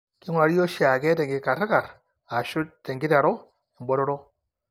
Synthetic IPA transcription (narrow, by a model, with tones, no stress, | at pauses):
kɪ˦ŋwa˨ɾo˦ʃa˨ɡɛ˦tɛ˨ŋɡɪ˨ka˨ɾa˦ka˨ɾ | a˨ʃʊ˦te˨ŋɡɪ˦ta˨ɾɔ˦ | i˨mbɔ˦ɾɔ˦ɾo˦